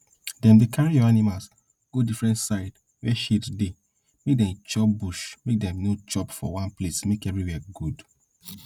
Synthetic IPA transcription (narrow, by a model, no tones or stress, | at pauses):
dɛ̃mdekʰaɹijɔanimals | ɡ̥odifɹɛ̃ntsaɪd | wɛʃitde | mek̚dɛ̃mt͡ʃɔp̚buʃmek̚dɛ̃mnot͡ʃɔpfɔ̰wãnplesmekɛvɹiwɛɡud